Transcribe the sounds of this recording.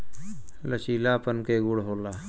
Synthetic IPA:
lət͡ʃiːlaːpənkeːɡuɽɦoːlaː

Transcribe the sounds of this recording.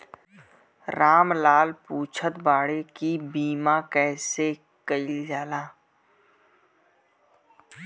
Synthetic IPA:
ɾaːmlaːlpuːt͡ʃʰət̪baːɽekibiːmãkɛːse | kəɪld͡ʒaːlaː

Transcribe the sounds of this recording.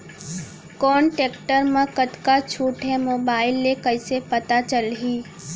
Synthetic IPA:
kɔːnʈeːkʈəɾmãkət̪kat͡ʃʰuːʈɦɛ̃moːbaːɪlːekɐɪsepɐt̪at͡ʃəlɦiː

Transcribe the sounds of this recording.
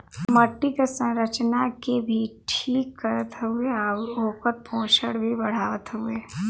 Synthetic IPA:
məʈːikesə̃ɾət͡ʃnakebʱiʈʰiːkːəɾət̪ɦueaoːkət̪̚pʰõːʃəɽbʱibɐɽ̤aːət̪ɦʊeː

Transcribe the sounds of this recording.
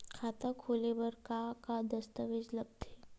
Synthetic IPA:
kʰaːt̪akʰoːlebɐɾkakad̪ɐst̪əʋɪd͡ʒlɐb̚t̪ɛː

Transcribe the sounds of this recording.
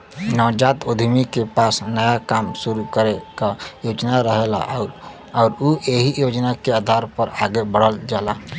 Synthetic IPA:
nɔːd͡ʒat̪od̪ʱmikepaːsnəjakaːmsuɾukəɾekajoːd͡ʒnaɾəɦela̰ | ɔːɾoeɦijod͡ʒnakeaːd̪ʱaɾpəɾaɡebəɽ̤əld͡ʒaːla

